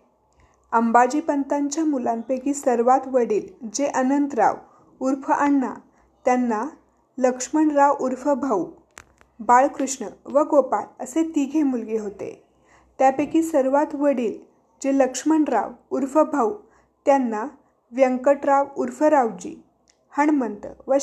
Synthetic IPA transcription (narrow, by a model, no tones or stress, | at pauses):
əmbad͡ʑiːpənt̪aɲt͡ɕjamulampekiːsəɾʋat̪ʋəɽiːld͡ʑeʔənənt̪ɾa̰ʋ | uɾfʰəʔəɳːa̰ | t̪janːa | ləkʂməɳɾaʋuɾfəbʱau | baɭkɾuʂɳəʋəɡopaɭəset̪iɡʱemulɡeɦot̪ḛ | t̪japekisəɾʋat̪ʋəɽiːl | d͡ʑeləkʂməɳɾa̰ʋuɾfəbʱau | t̪janːa | ʋjəŋkəʈɾaʋuɾfəɾaʋd͡ʑḭː | həɳmənt̪əʋə